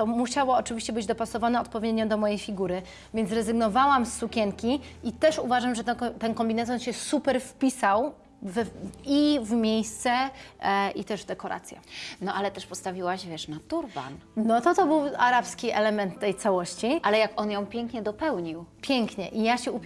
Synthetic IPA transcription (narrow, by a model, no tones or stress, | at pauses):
t̪ɔmuɕawɔːt͡ʂɨvʲiɕt͡ɕɛbɘd͡ʑd̪ɔpasɔvanɛɔt̪̚pɔvʲjed̪ɲɔd̪ɔmɔjejfʲiɡuɾɘ | vʲjɛnt̪sɾɛzɘɡnɔvawamsːukʲɛŋkʲi | it̪ɛʂuvaʐamʐɛt̪ɛt̪ɛnkɔmbʲinat̪ɔnɕɛsupɛɾfpʲisaw | vɛivmʲjejst̪sɛ | ʔit̪ɛʐvd̪ɛkɔɾʔa̰t̪sʲjɛ̰nɔʔalɛt̪ɛʂpɔst̪avʲiwaɕvʲjɛʂnat̪uɾba̰nnɔt̪ɔt̪ɔbɘwaɾapskʲiʔɛlɛmɛnt̪ːɛjt̪sawɔɕt͡ɕiʔalɛjakɔnjɔ̃w̃pʲjɛŋkɲɛd̪ɔpɛwɲiwpʲjɛŋkɲɛʔijaɕɛup